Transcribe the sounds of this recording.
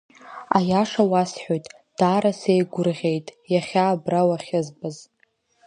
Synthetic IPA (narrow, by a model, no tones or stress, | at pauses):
ajaʂawasħʷᶣojtʼ | d̥aːɾasejɡʷʊrʁʲe̞jtʼjaχʲaːbrawaχʲɪzbɨz